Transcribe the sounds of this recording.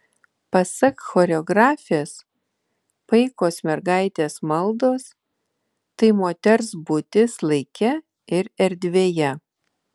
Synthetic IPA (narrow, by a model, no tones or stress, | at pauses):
pɐsɐkxoːɾʲɛɔɡɾɑːfʲes | pɐɪkoːsmʲɛɾɡɑˑɪt̪ʲeːsmɐlˠd̪oːs | t̪ɐɪmoːt̪ʲɛɾsbʊt̪ʲɪslˠɐɪkʲɛ | ɪɾɛɾʲd̪ʲʋʲeːjɛ